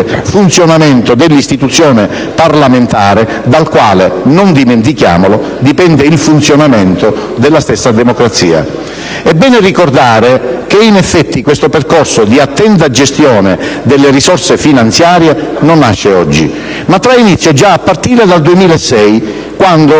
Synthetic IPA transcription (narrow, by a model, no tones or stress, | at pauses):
funt̪sjonamɛnt̪od̪ɪlːist̪it̪ut̪sːjɔːne | parlament̪aːɾe | d̪alkwa̰ːlenond̪iment̪ikja̰ːmolo | d̪ipɛnd̪eilfunt̪sjonamɛnt̪od̪elːast̪esːad̪emokɾat̪sḭːa̰ | ɛbːɛːnerikord̪aːɾekeinɛfːɛt̪ːikwest̪operkɔrsod̪iat̪ːɛnt̪̬ad͡ʒest̪jɔːned̪elːerisɔrsefinant̪sjaːɾjenonːaʃːeɔd͡ʒːḭ | mat̪ːɾainit̪sjod͡ʒaːpːart̪iːɾed̪ald̪uemiːlaɛsːɛj | kwand̪o